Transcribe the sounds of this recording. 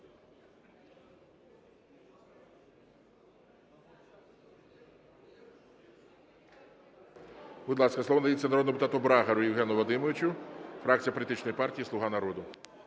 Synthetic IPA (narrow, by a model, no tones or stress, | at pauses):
b̥ʊd̪lˠɑskɐsˠɔʋɔndɐjit͡sʲːɐnɐɾɔd̪npʊt̪ɑt̪ɔbɾɑɦɐɾʊjɪwɦɛnʊʋɔd̪ɪmɔʋɪt͡ʃʊfɾɑk̚t͡sʲijɐpɔlʲit̪ɪt͡ʃnɔjipɑrtʲijisˠʊɦɑnɐɾɔd̪ʊ